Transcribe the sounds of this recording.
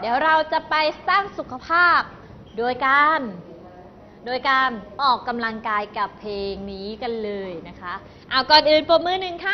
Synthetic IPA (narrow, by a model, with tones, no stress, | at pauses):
diː˩˦wɾa˧wt͡ɕa˨˩ʔpa˧jsaː˥˩ŋsu˨˩kʰa˧pʰaː˥˩p̚ | doː˧jka˧n | doː˧jkaː˧nʔɔː˨˩kːa˧mla˧ŋkaː˧jka˨˩pʰleː˧ŋniː˦˥ka˧nlɤː˧jna˦˥kʰa˦˥ | ʔaː˧˩wkɔː˨˩nʔɯː˨˩npo˧˩mɯː˧˥˩nɯ˨˩ŋkʰa˦˥˩